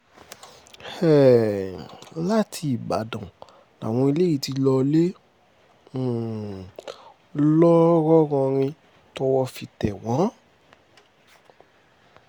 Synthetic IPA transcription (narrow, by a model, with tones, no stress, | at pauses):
ɛ˦˨ | la˦tʰi˧i˨ba̰˨dã˨ | a̰˨w̃ɔ̃˧i˧le˦i˦˨ti˧lɔ˧le˦˨ | lɔ˦ɾɔ˦ɾɔ̃˧ɾ̃ĩ˧ | tɔ˧wɔ˧fi˧˨tɛ˨wã˨˦